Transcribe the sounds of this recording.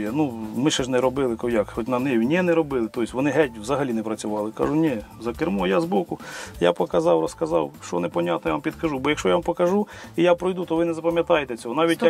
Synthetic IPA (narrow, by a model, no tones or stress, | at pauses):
jɛnumɪʃɛʒnɛɾɔbɪlˠɪkɔjakxɔtʲnɐmnɛwʲnʲɛnɛɾɔbɪlˠɪt̪ɔjsʲʋɔnɪɦɛtʲwzɐɦɐlʲinɛpɾɐt͡sʲʊʋɑlˠɪkɑ̰ʒʊnʲɛ | zɐkɪrmɔjazbɔkʊja̰pɔkɐzɑwɾɔskɐzɑwʃt͡ʃɔ̰nɛpɔnʲat̪nɔjʋampʲid̪kɐʒubɔjɐkʃt͡ʃɔjaʋɑmpɔkɐʒuijapɾɔjd̪ut̪ɔʋɪnɛzɐpɐmʲjɐt̪ɑjet̪ɛt͡sʲɔɦɔnɑʋʲit̪ʲj